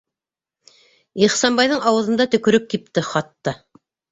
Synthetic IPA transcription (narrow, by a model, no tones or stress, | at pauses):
iχsɑnbɑjðɤɴɑwɤ̆ðɤ̆nd̪ɑt̪ɵ̆kɵ̆ɾɵp̚kip̚t̪ɘχɑt̪ːɤ